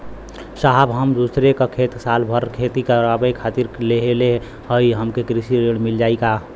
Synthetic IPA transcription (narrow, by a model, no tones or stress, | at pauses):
saɦbɦəmd̪usɾekakʰet̪saːlbʱəɾkʰet̪ikəɾabəkʰaːt̪iɾleɦele | ɦəiɦəmkekɾisiɾeɽ̃mild͡ʒaːika